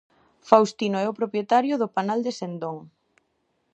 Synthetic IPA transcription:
fawst̪inoɛopɾopjet̪aɾjʊðʊpanald̪esend̪oŋ

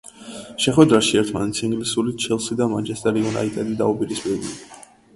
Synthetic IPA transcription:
ʃɛχwɛd̪ɾaʃiɛɾt̪ʰmanɛt̪sʰiŋɡlisulit͡ʃʰɛlˠsid̪amant͡ʃʰɛst̪ʼɛɾiɔna̰it̪ʼɛd̪id̪a̰upʼiɾispʼiɾulḭ

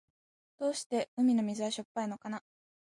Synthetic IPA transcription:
d̪̥o̞ːɕi̥t̪e̞ɯ̟mʲino̞mʲizɨβaɕopːaino̞kana

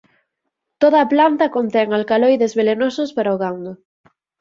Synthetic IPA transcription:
t̪oð̞ɐːplant̪ɐkont̪ɛŋalkalojðezβelenosospaɾaoɣand̪ʊ

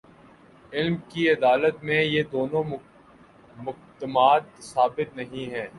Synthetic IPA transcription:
ɪlmkiɐd̪aːlət̪mẽjed̪oːnõ | mʊ | d̪əmaːt̪ːsaːbɪt̪nɐɦĩɦɛ̃ː

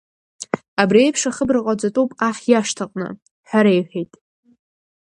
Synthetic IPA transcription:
abriejpʰʂaχəbraqʼad͡zatʼuwpʼaχʲjaʂtʰaqʼnɨ̰ | ħaɾejħejtʼ

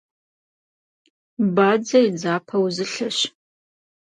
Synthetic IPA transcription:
baːd͡zɐjd͡zaːpʰɐwzɨɬɐɕ

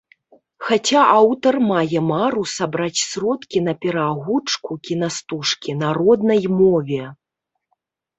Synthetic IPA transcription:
xat͡sʲaawt̪ɐrmajɛmaɾusabɾat͡sʲsɾɔt̪kʲin̪ɐpʲɛɾaɣut͡ʂkukʲinast̪uʂkʲinaɾɔd̪nɐjmɔvʲɛ

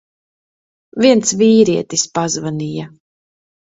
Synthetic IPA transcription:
viɛnt̪sviːɾiɛt̪ispazvanija

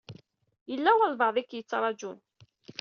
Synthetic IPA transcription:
jəlːæwəlvɑʕðˤikːjət͡sːɾˤɑd͡ʒun

